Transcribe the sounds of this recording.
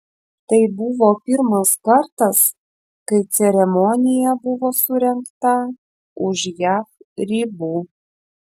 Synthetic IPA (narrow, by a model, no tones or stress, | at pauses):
t̪ɐɪbʊʋoːpʲɪɾmɐskɐɾt̪ɐs | kɐɪt̪sʲɛɾʲɛmɔnʲɪjɛbʊʋoːsʊɾʲɛŋkt̪ɐ | ʊʃjæːfɾʲiːbuː